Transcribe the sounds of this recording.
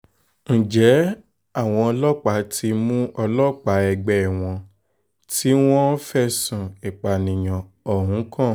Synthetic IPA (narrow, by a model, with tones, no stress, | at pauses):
ñ̩˨d͡ʒɛ˨˦ | a˦˨w̃ɔ̃˧ɔ˧lɔ˦k͡pa˨˦ti˧mũ˦ɔ˧lɔ˦k͡pa˨˦ɛ˧ɡ͡bɛ˨w̃ɔ̃˧ | ti˦w̃ɔ̃˦fɛ˦sũ˨e˨k͡pa˨nĩ˨j̃ã˨ | ɔ˨ɦũ˨˦kʰã˦˨